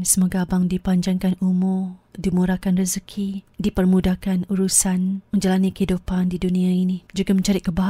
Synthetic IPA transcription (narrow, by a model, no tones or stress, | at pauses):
səmuaɡabaŋdipaɲd͡ʒaŋkanumʊrdimuɾakanrəzəkʰidipərmudakanuɾusanmə̃ɲd͡ʒalanikəɦidupandidunĩainid͡ʒuɡamə̃ɲt͡ʃaɾɪt̪̚kəbaɦ